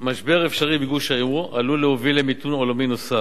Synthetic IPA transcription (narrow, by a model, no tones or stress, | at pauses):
maʃbeʁefʃaʁibeɡuʃaualuleovilːemitunolominosa